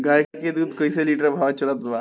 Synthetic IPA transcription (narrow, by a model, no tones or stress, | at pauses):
ɡajkked̪ut̪kəjseliʈəɾbʱaʋat͡ɕəlat̪ʋa